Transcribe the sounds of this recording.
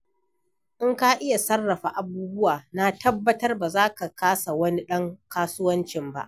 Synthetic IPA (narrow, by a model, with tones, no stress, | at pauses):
ʔɪ˦ŋka˦ʔɪ˦ja˨sɐ˦rːɐ˨ɸa˨ʔa˨buː˦bʊ˦waː˨na˦tɐ˦bːɐ˦tɐ˦rba˨zaː˦ka˨kaː˦sa˨wɐ˦ni˦ɗɐ˦ŋkaː˦sʊ˦wɐ˦nt͡ʃɪ˨mba̰˦ʔ